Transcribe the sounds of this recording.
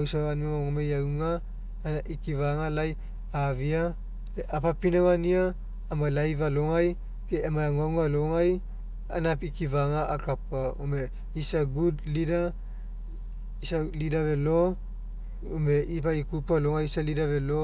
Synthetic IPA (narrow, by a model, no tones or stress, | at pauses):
wsaβaniaaŋomejawŋa | naʔikivaŋalaj | avia | eʔapapinawaniaː | malajvaloŋaj | keːmaaŋawŋaloŋaj | a̰napikivaŋaakapaome | isaɡudlida | isalidaβelo | ome̞ʔipaikupaloŋajsalidaβelo